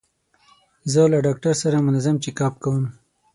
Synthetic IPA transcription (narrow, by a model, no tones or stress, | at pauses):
zəlaɖɑk̚ʈaɾsaɾamʊnazamt͡ʃikɑp̚kawəm